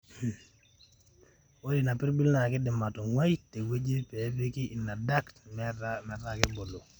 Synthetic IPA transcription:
wo˦di˨na˨pi˦ɾbi˦lna˨ki˦di˨ma˨to˨ŋwa˦jte˨we˦d͡ʒe˦pe˨˦pi˦ki˦ʔi˨nːa˨da˦ktmmɛ˨tːa˦ki˦bo˨lo˨

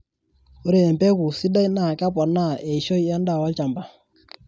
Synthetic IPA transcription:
o˦ɾe˨ɛ˨m˨pɛ˦ku˨si˦da˦jna˨ka˦pɔ˨nːa˦˨e˨ʃo˦jja˦n˦da˦˨wa˦lt͡ʃa˨mba˨

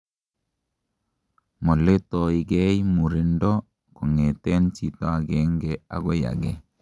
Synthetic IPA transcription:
mɔ˨le˦tɔ˨i˨ɡɛ˦imu˨ɾe˨ndɔ˦ | kɔ˨ŋe˨tɛ˦nt͡ʃi˨tɔ˦a˨ɡɛ˨ŋɡɛ˨a̰˨ɡɔ˦ja̰˨ɡɛ˦

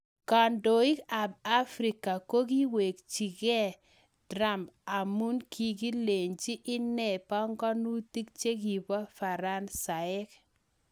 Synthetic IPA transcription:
ka˨ndo˨i˦ka˨b̚a˦fɾi˨ka˨ko˦ɡi˦we˨k̚t͡ʃi˨ɡɛ˦˨ | d̥ɾa˦˨ma˨mu˦nkʰi˨ɡi˦le˨ɲt͡ʃi˦ʔɪ˦nɛ˦˨pɔ˦ŋɡɔ˦nu˦ti˦k̚t͡ʃe˦ɡi˨bɔ˦fa˨ɾa˦nsa˨ɪ˦k

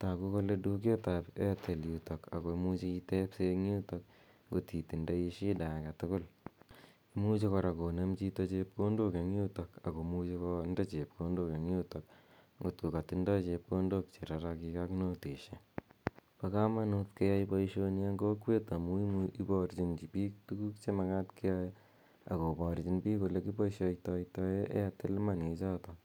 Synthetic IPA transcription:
ta˨ku˦ko˦le˦du˦k̬e˦tape˦tʰe˨ljuto˨ka̰˨ko˨mut͡ʃi˦i˦tɛ˦pseŋu˦to˧k̚ | ŋɡo˨ti˨ti˨nda˦i˦ʃi˦da˨ka˨tʊkʊ˦l | imu˦t͡ʃi˦kɔ˧ɾa˨ko˨ne˦mt͡ʃi˧to˦t͡ʃep̚ko˦ndo˦ke˨ŋju˦to˨ka˨ko˨mu˦t͡ʃikɔ˦nda˦t͡ʃe˨p̚ko˦ndo˦ke˨ŋju˦to˨k | ŋɡo˨tko˨ka˨tindɔ˦t͡ʃe˧p̚ko˦ndok̚t͡ʃe˨ɾaɾakikakno˦te˨ʃe | paka˦ma˦nutke˦jajpɔiʃoniaŋɡo˦kwe˦ta˨mu˦imi˦bɔɾt͡ʃind͡ʒi˨pi˦k̚tu˦ku˦kt͡ʃe˦maka˦tke˦jaj | a̰˨ko˨bɔɾt͡ʃi˦npiː˦ko˨le˦ki˦pɔ˦iʃojtɔjtɔ˦eʔḛ˦ate˦lma˦ne˨t͡ʃa˦tɔ

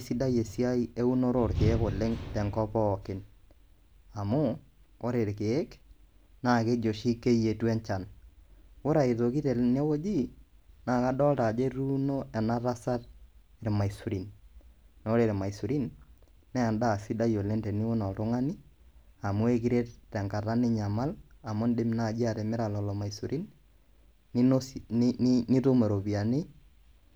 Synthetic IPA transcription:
si˦da˦je˨si˦a˦i˦e˦u˦no˦ɾo˦˨ɾke˨e˦ko˨lɪ˦ŋtɛ˨ŋkɔ˦pɔː˦˨kɪ˨n | a˨mʊ˦ | o˦ɾe˨ɾkeː˨˦k | na˦˨ke˦d͡ʒo˨ʃi˦ke˦je˨tu˦ɛ˦ɲt͡ʃa˨n | wʊ˦ɾa˨e˨ðo˨ki˦te˨ne˦wo˦d͡ʒi˦na˨ka˦dɔ˦lta˨d͡ʒe˦ɾu˦no˦ɛ˨na˦ɾa˦sa˦t | ɾma˨i˨su˨ɾi˨n | n˨o˦ɾe˨ɾɛ˨ma˨i˨su˨ɾi˦n | nɛ˦a˨nda˦˨si˦da˦jo˨le˦nte˨ni˦ʊ˦nɔ˨tʊ˦ŋa˦ni˦a˨mʊ˦e˦ki˦ɾe˦ttɛ˨ŋka˨ta˦nɪ˦ɲa˨ma˦la˨mʊ˦ndɪ˦m˦na˦˨d͡ʒi˦a˨tɛ˨mɪ˦ɾa˨lɔ˨lɔ˨ma˨i˨su˨ɾʔi˦n˦ | ni˦to˦me˨ɾo˨pi˨a˨ni˦

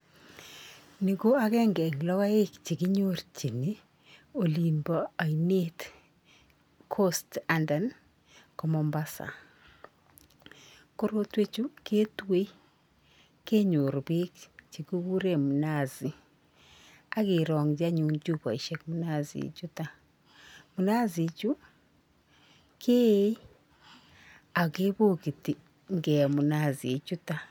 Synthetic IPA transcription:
ni˨ko˦a˦kɛ˦ŋɡɛ˨ŋlɔ˦ka˦e˦kt͡ʃi˨kɪ˦ɲo˦rt͡ʃi˨ni˦ | o˨li˨mba˨a˨i˨ne˦t | kʰo˦sta˨nda˨n | kɔ˦mɔ˨mba˦sa̰˨ | ko˦ɾo˦twe˦t͡ʃu˦ke˦twe˦i˦ | ke˦ɲo˨ɾo˨βi˦kt͡ʃi˨ku˦ɣu˦ɾe˦mu˨na˦zi˨ | a˦ɣe˨ɾɔ˨ŋd͡ʒa˦ɲuː˨nd͡ʒu˦βa˨i˨ʃekmu˦na˦ziḛ˨t͡ʃu˦ta˦ | mu˨na˦zi˨t͡ʃu˦ | kʰe˦i˦ | a˨ɣe˦βo˦ɣi˨ti˨ | ŋɡe˨mu˨na˦˨zi˨e˨t͡ʃu˦ta˦

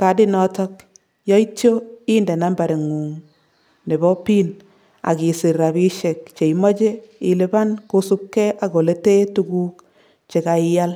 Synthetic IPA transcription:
ka˨dɪ˦nɔ˦tɔ˦k | jɔ˦i˦tjo˦i˦nde˨na˦mba˨ɾe˨ŋu˨ŋ | ne˨bɔ˦pi˦n | a̰˨ki˨sɪ˨ɾa˨bi˦ʃe˨k̚t͡ʃe˨imɔ˦t͡ʃe˦ɪ˦le˦ba˦nko˦su˦kːɛ˦ʔa˨ko˨le˦te˦tu˦ku˦k | t͡ʃe˨ka˨ɪja˦l

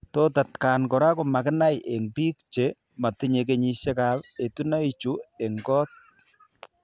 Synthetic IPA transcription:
to˦ta˨tka˨nkɔ˨ɾa˦ko˨ma˨kɪ˦na˦jʔe˨ŋbi˦kt͡ʃe˨˦ | ma˨ti˦ɲe˨k̬e˦ɲi˨ʃe˦ka˨pe˨tu˦na˦i˦t͡ʃu˦e˨ŋɡɔ˦t̚

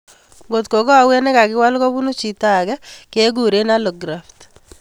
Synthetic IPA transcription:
ŋɡo˨tko˨kɔ˦a˨wɛ˦nɛ˦ka˨kɪ˦wa˦lkɔ˦bu˦nu˦t͡ʃi˨ta˦˨ɡɛ˦ke˦ɡu˨ɾe˦na˦lɔ˨ɡɾa˨ft

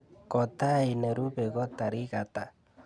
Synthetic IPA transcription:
kɔ˨ta˦i˨nɛ˨ɾu˦βe˨ɣɔ˦ta˨ɾi˦ɣata˨

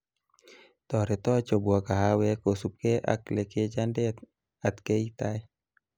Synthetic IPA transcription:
t̪ɔ˨ɾɛ˨t̪ɔ˦t͡ʃo˨bua˨ka˨ɦa˦wɛ˦kosu˨p̚ke˦ʔa̰˨kleke˦d͡ʒande˦ | at̪ke˦it̪a˦j

